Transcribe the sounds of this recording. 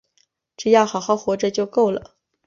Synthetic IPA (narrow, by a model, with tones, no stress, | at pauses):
ʈ͡ʂɻ̩˥˩jɑ˥˩xɑ˨˧˥ʊxɑ˥˩ʊxwɔ˧˥ʈ͡ʂə˥˧t͡ɕjo˥˧ʊko˥˩ʊlə̰˩